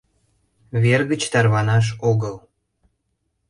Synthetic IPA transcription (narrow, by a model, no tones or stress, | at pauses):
βerɣət͡ɕt̪ɑrβɑnɑʃ̬oɣəl